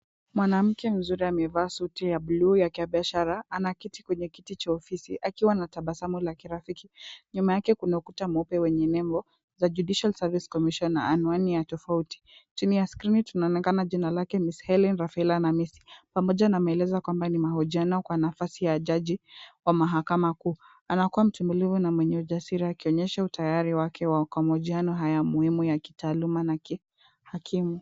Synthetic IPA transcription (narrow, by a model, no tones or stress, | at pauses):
mwanam̩kɛm̩zuɾiamɛvaːsutijabluːjakaɓiaʃaɾaanakiti̥kwɛɲɛkitit͡ʃaɔfisiʔakiwanataɓasamulakiɾafikiɲumajakɛkunakutamɔpɛwɛɲɛnɛmbɔ | zad͡ʒuɗiʃalsaviskɔmiʃɔnːa̰ːnuanijatɔfauti̥t͡ʃinijaskɾinitunaɔnɛkanaʄinalakɛmishɛlinɾafilanamisi̥pamɔʄanamɛlɛzakwambanimahuʄianɔkwanafasijaʄaʄiwamaɦakamakuː | anakuwam̩tɛmbulivunamwɛɲɛuʄasiɾiakiɔɲɛʃautajaɾiwakʰɛwakwamahuʄianɔɦajamuhimujaki̥taːlumanaki | hakʰimu